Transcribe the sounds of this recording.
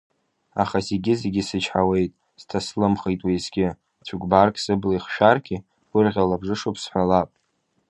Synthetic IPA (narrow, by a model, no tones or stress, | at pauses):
a̰χazeɡʲɪzeɡʲɪsɨt͡ʃʰħawe̞jtʼ | z̥tʰaslɨmχejtʼwijzɡʲɪ | t͡sʷʰukʼbarkʰʼsɨblaiχʃᶣarkʰʲʼi | wʷʊrʁʲalabʐɨʂopʰʼsħʷalapʼ